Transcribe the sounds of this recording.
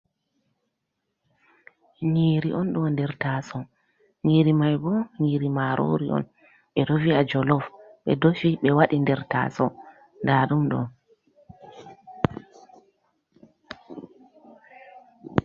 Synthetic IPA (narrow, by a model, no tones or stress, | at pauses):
ɲiːɾiʔɔnɗɔndɛɾtaːsɔ | ɲiːɾimajbɔɲiːɾimaɾʔo̰ɾiʔɔ̰n | ɓɛɗoviad͡ʒɔlɔfɓɛ̰dofiɓɛwaɗindɛɾta̰sɔ | ndaːɗumɗɔ̰n